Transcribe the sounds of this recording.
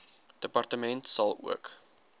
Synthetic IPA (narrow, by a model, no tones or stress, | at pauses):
d̥əpɐrtəmɛntsɐlˠṵək